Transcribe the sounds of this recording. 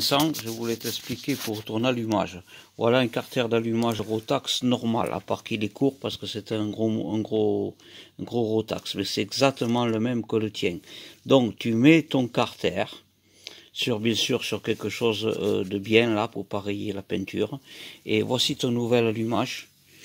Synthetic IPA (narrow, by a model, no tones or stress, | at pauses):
ɛ̃sɑ̃ʒəvulɛt̪ɛsplikʲepuʁːət̪uʁnalyma̰ʒvwa̰laɛ̃kaʁt̪ɛʁd̪alymaʒəʁot̪aksnɔʁma̰lʔa̰paʁkilɛkʰuʁpaʁsə̥kəsɛt̪ɛ̃ɡʁoɛ̃ɡʁo | ɛ̃ɡʁoʁot̪a̰ksmɛsɛɛɡzak̚t̪əmɑ̃ləmɛmkələt̪jɛ̃d̪ɔ̃ŋkt̪ymɛt̪ɔ̃ŋkaʁt̪ɛʁ | syʁbjɛ̃syʁsyʁkɛlkəʃɔzø̰d̪əbjɛ̃lapuʁpaʁejelapɛ̃nt̪ʰyʁḛvwasit̪ɔ̃nuvɛlalymaʒ